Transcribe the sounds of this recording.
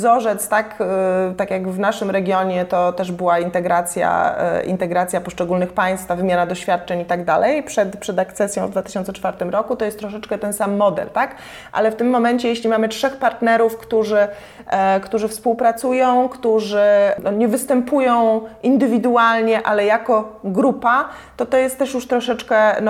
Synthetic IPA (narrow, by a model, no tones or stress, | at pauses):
zɔʐɛt̪st̪akt̪akʲjaɡvnaʂɘmɾɛɡʲjɔɲɛt̪ɔt̪ɛʐbɘwaint̪ɛɡɾat̪sʲja̰ḭnt̪ɛɡɾat̪sʲjapɔʂt͡ʂɛɡulnɘxpaj̃st̪favɘmʲjanad̪ɔɕfʲjat̪̚t͡ʂɛɲit̪aɡd̪alɛjpʂɛt̪pʂɛd̪akt̪sɛsʲjɔ̃w̃vd̪vat̪ɘ̥ɕɔnsɛt͡ʂfaɾt̪ɘmɾɔkut̪ɔjɛst̪ːɾɔʂ̬ɛt͡ʂkɛt̪ɛnsamːɔd̪ɛ̰lt̪ak | ʔa̰lɛft̪ɘmːɔmɛɲt͡ɕɛjeɕlʲimamɘt͡ʂʂɛxpaɾt̪nɛɾufkt̪uʐɘ | kt̪uʐɘfspuwpɾat̪sujɔ̃w̃kt̪uʐɘnɔɲɛvɘst̪ɛmpujɔ̃w̃ind̪ɘvʲid̪ualɲɛʔalɛjakɔɡɾupa | t̪ɔt̪ɔjɛst̪ːɛʂjuʂt̪ɾɔʂɛt͡ʂkɛn